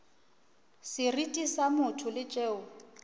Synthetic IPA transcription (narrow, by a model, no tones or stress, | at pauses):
sɪritʼisamʊtʰʊlɪt͡ʃʼeːʊ